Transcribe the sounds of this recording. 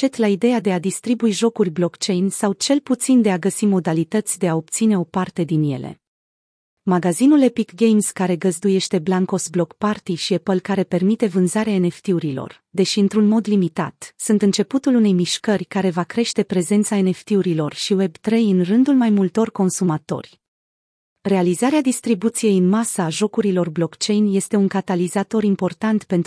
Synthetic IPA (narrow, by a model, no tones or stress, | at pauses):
t͡ʃe̞t̪laid̪e̞jad̪e̞ad̪ist̪ɾibuiʒo̞kurʲblo̞kt͡ʃe̞jnsawt͡ʃe̞lput̪sind̪e̞aɡəsimo̞d̪alit̪ət̪sʲd̪e̞ao̞p̚t̪sine̞o̞part̪e̞d̪inje̞̰le̞̰ | maɡazinulepikɡejmskaɾe̞ɡəzd̪uje̞ʃt̪e̞blaŋko̞sblo̞kpart̪iʃiepəlkaɾe̞pe̞rmit̪e̞vɨnzaɾeaene̞ft̪iuɾilo̞̰r | d̪e̞ʃiɨnt̪ɾunmo̞d̪limit̪a̰t̪sunt̪ɨnt͡ʃe̞put̪ulune̞jmiʃkərʲkaɾe̞vakɾe̞ʃt̪e̞pɾe̞ze̞nt̪sae̞ne̞ft̪iuɾilo̞rʃiwe̞bt̪ɾe̞jɨnrɨnd̪ulmajmult̪o̞rko̞nsumat̪o̞̰rʲ | re̞alizaɾead̪ist̪ɾibut̪sije̞jɨnmasaːʒo̞kuɾilo̞rblo̞kt͡ʃe̞jnje̞st̪e̞uŋkat̪alizat̪o̞ɾimpo̞rt̪ant̪pe̞nt̪